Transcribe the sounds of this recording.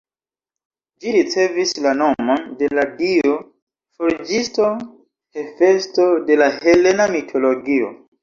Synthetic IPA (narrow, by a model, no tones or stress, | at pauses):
d͡ʒiɾit͡se̞vislano̞monde̞laɡio | foɾd͡ʒisto̞ | hefe̞sto̞de̞lahe̞le̞namitʰo̞loɡio̰